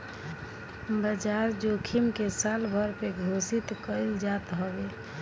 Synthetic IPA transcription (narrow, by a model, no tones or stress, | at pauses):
bəd͡ʒaɾd͡ʒokʰimkesalbʱəɾpeɡʱosit̪kəld͡ʒat̪ɦobe